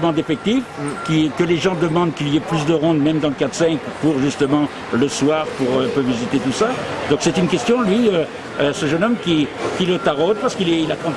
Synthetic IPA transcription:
mɑ̃d̪efɛk̚t̪ifkʲikəleʒɑ̃d̪əmɑ̃d̪̚kʲiliɛplysd̪əʁɔ̃d̪mɛmd̪ɑ̃ləkat̪χsɛ̃kpuʁʒyst̪əmɑ̃ | ləswaːʁpuʁøpøvizit̪et̪usad̪ɔ̃ksɛt̪ynkʲɛst̪jɔ̃lɥiø | səʒənɔmkʲikʲilət̪aʁod̪̚paʁsə̥kilɛilat̪χɑ̃t̪

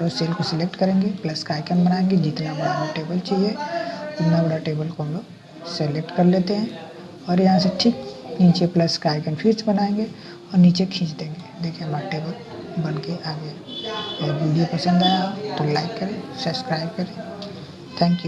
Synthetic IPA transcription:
ɾoseːlkoselek̚ʈkɐɾẽːŋɡeplɐskaːɪkənbɐnaːẽːŋɡed͡ʒɪt̪nabɐɽabʈeːbəlt͡ʃiːd͡ʒɦɛd͡ʒɪt̪nabɐɽaʈeːbəlkõːnloɡ | selek̚ʈkɐɾleːt̪eɦɛ̃ | ɔːɾjɐɦãseʈʰiːkniːt͡ʃeplɐskaːɪkənpʰiɾsbɐnaẽːŋɡe | ɔːɾniːt͡ʃekʰĩːt͡ʃd̪ẽːŋɡed̪eːkʰẽɐmɾaʈeːbəl | bɐnkeʔaːɡəjeɛʋiːɖijopəsə̃nd̪aːjaot̪olaːɪkːɐɾẽːsɐbskɾaːɪb̚kɐɾẽ | t̪ʰɛ̃ːŋkju

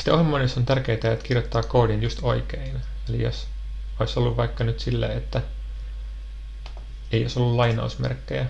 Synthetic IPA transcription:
si̥t̪eohimːoinesont̪ærkeit̪æet̪kirjot̪ːɑːkoːdinjust̪o̰ikein | elḭjo̰s | oisolːuʋʋɑikːɑnyt̪silːæ̰ːet̪ːæ | ejosolːullɑinɑ̰usmḛrkːejæ

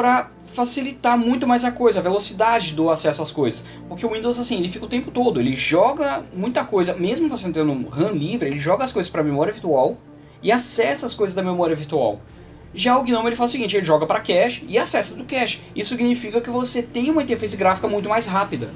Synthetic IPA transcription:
pɾɐ | fasilit̪aɾmũj̃t̪ʊmajzɐkojzɐvelosid̪ad͡ʒɪd̪ʊasɛsʊaskojzɐs | poɾkeʊĩnd̪owzasĩelɪfikɐʊt̪ẽmpʊt̪od̪ʊḛlɪʒɔɡɐmũj̃t̪ɐkojzɐmezmʊvosẽnʊt̪ẽnd̪ũhɐ̃livɾɪelɪʒɔɡɐːskojzɐspɾɐmemɔɾiɐviɾt̪uaw | ɪasɛsɐːskojzɐzd̪ɐmemɔɾiɐviɾt̪ua̰w | ʒaʊɡinõmelɪfalɐʊsiɡĩnt͡ʃɪelɪʒɔɡɐpɾɐkɛʃt͡ʃɪɪasɛsɐd̪ʊkɛʃt͡ʃɪ̥isʊsiɡinifikɐkɪvoset̪ẽj̃ũmɐĩt̪eɾfẽsɪɡɾafikɐmũj̃t̪ʊmajsɦapid̪ɐ

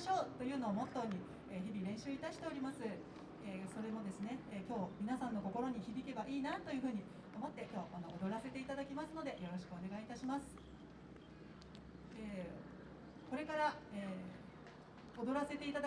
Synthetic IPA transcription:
ɕo̞ːt̪o̞jɯ̟ːno̞ːmo̞t̪ːo̞ɲ̟i | eçibʲiɾẽ̞ɰ̃ɕɨːit̪aɕi̥t̪e̞o̞ɾʲimasɨ | eːso̞ɾe̞mo̞d̪e̞sɨne̞ːkʲo̞ːmʲinasãnːo̞ko̞ko̞ɾo̞ɲ̟içibʲikʲe̞baʔiːnat̪o̞jɯ̟ɸɯ̟ːɲ̟i | omo̞t̪ːe̞kʲo̞ːʔanood̪o̞ɾase̞t̪e̞it̪ad̪akʲimasɨno̞d̪e̞jo̞ɾo̞ɕi̥kɯ̟o̞ne̞ɡait̪aɕimasɨ̥ | eː | ko̞ɾe̞kaɾaeː | o̞d̪o̞ɾase̞t̪e̞it̪ad̪

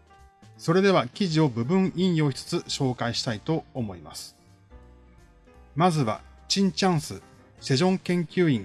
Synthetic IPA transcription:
so̞ɾe̞d̪e̞βakʲiʑio̞bɯ̟bɯ̟̃ɰĩɰ̃jo̞ːçi̥t͡sɨ̥t͡sɨɕo̞ːkaiɕi̥t̪ait̪o̞ːmo̞ima̰sɨ̥ | mazɨβa̰t͡ɕĩɲ̟t͡ɕãɰ̃sɨ | se̞ʑõ̞ŋkẽ̞ŋkʲɨːĩŋ

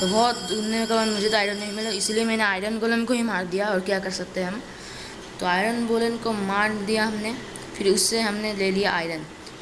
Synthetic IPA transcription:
t̪obɔːt̪d̪ʊnokabɐnmʊd͡ʒʱet̪oaːɪɾənːɐɦĩmɪlaɪsliemɛ̃ːneaːɪɾənɡolənkoɦimaːɾd̪ijaɔːɾkjakɐɾsɐk̚t̪eɦɛɦɐm | t̪oaːɪɾənboːlənkomaːɾd̪ijaɦɐmne | pʰɪɾʊsːeɦɐmneleːlijaʔaːɪɾən

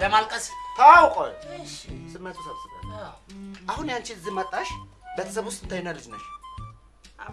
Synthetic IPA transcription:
ləmalkʼəst̪ʰəawkʼo | sɨmːɨnt̪wusaβsɨβə̰n | ʔahunjant͡ʃɪlɨzːimət̪ʼːaʃbet̪ʰə̥s̬əβwʊst̪ɨnt̪ʰajnəlɨd͡ʒnəʃ

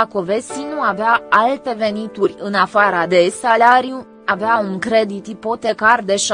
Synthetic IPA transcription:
ako̞ve̞sinuaveaalt̪e̞ve̞nit̪urʲɨnafaɾad̪e̞salaɾiju | aveauŋkɾe̞d̪it̪ipo̞t̪e̞kard̪e̞ʃ

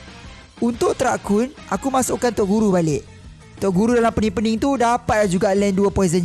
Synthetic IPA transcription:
unt̪ʊʔt̪əɾakʊnʔakumãsʊʔkant̪ɔʔɡuɾubalɪʔ | t̪ɔʔɡuɾudalampəniŋpəniŋt̪udapat̪̚lad͡ʒuɡaʔlɛnduapɔezənɲ

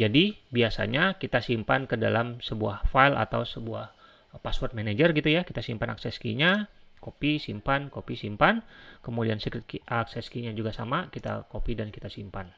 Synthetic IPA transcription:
d͡ʒadibiasa̰ɲakit̪asimpankədalamsəbuahfailʔa̰t̪awsəbuah | paswɔrt̪̚mened͡ʒərɡit̪ujakit̪asimpanaksɛskḭɲakopisimpankopisimpankəmudiansikɾɪt̪̚kiʔaksɛskiɲad͡ʒuɡasamakit̪a̰kopidankit̪asimpan

